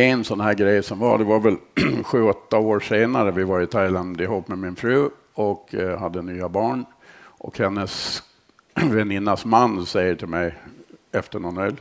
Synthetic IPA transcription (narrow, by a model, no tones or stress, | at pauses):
ɛnsɔnhæːɾɡɾɛjsɔmva̰ɖɛvaɾvɛlɧʉ̟ːɔt̪ːaoːɾʂeːnaɾəvɪvaɾɪt̪ʰajland̪ɪɦuːpːmɛmɪnfɾʉ̟ː | ɔkɦad̪ːənyːabɑːɳ | ʔɔ̰khɛnːəs | vɛnɪnːasmanːsɛjːəʈʰɪlmɛjɛft̪əɳɔnœl